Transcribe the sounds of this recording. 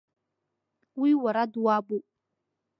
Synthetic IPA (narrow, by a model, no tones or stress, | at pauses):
wiwaɾaduabu